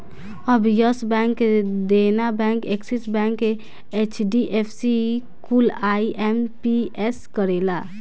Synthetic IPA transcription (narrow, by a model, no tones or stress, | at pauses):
əbjəsbɛ̃ŋkd̪enabɛ̃ŋkeksisbɛ̃ŋk | et͡ʃʰɖiʔepʰsi | kulaiʔempieskəɾela